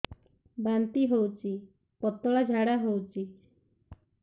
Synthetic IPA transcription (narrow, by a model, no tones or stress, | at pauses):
bant̪iɦowt͡ʃi | pɔt̪ɔɭad͡ʒʱaɽaɦowt͡ʃi